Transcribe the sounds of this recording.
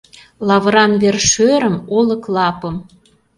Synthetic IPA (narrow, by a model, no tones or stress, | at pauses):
lɑβəɾɑnβerʃøɾə̆molə̆klɑpə̆m